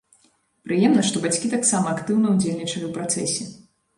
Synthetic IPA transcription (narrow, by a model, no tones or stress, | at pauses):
pɾɨjɛmnɐʂt̪ɔbat͡sʲkʲit̪aksamɐːkt̪ɨwnɐwd͡zʲelʲnʲit͡ʂɐjʲɐwpɾat̪sɛsʲɛ